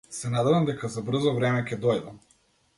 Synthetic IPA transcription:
sɛnad̪ɛvamd̪ɛkazabr̩zɔvɾɛmɛkʲɛd̪ɔjd̪am

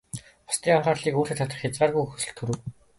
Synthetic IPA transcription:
ɔ̥st̪iːŋaɴχaːrɮiːkoːrt̪eːt̪ʰat̪ə̆χxʲat͡sɢaːrɣujxɵxɵ̆sɵ̆ɬt̪xɵɾɘ̆w

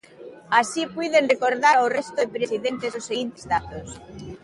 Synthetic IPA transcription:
asipwuðenrekoɾðaɾawrest̪oðepɾesiðent̪esosːeɣint̪e̥zðat̪os

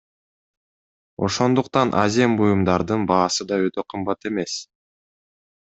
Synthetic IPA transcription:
o̞̰ʃo̞nd̪uqt̪ɑnʔa̰zʲembujumd̪ɑɾd̪ɯnbɑːsɯd̪ɑø̞t̪ø̞qʰɯmbɑt̪e̞me̞s

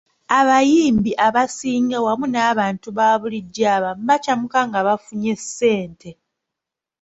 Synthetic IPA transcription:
aβajiːmbiʔaβasiːŋɡawamunaːβaːntuβaːβuliɟːaːβambacamukaŋɡaβafuɲe̞sːe̞ːnte̞

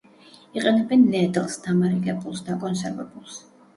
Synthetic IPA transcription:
iqʼɛnɛbɛnːɛd̪lˠsd̪amaɾiɡɛpʼulˠsd̪akʼɔnsɛɾvɛbulˠs

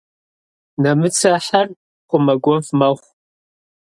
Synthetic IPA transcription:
nɐmɨt͡sʰaħar | χʷʊmɐɡʷɔvmɐχʷ

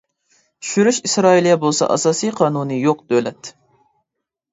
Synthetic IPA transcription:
tʰy̥ʃyɾyʃisɾɑːilˠijɛbolˠsɑ̰ʔɑ̰sɑːsijqʰɑːnunɨjoq̚d̪̥ølɛt̪ʰː

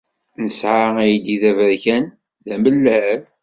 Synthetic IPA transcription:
nəsʕaijid̪iðævəɾçæn | ðæməlːæɾ

